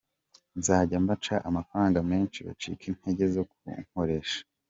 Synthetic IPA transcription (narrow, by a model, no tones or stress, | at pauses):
nzaːɟambat͡ʃaʔamafɾaːŋɡameːnt͡ʃiβa̰t͡ʃḭːkʰin̥he̞ɟe̞zo̞kuŋ̥ho̞ɾe̞ʃḁ